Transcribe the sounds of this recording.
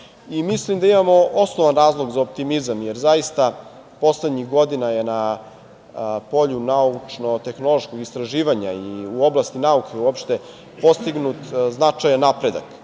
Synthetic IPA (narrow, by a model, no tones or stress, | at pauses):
imislimd̪aimamo̞ʔosnoʋanɾaːzlˠo̞ɡzaop̚t̪imizamje̞ɾzajist̪a | po̞sled̪ɲixɡo̞d̪inajena | po̞ʎunaut͡ʂno̞t̪e̞xno̞lˠo̞ʃkoɡist̪ɾaʒiːʋaɲaiuo̞blˠast̪inaukʰeuopʃt̪e̞ | po̞st̪iɡnut̪znat͡ʂajanːapɾe̞d̪a̰k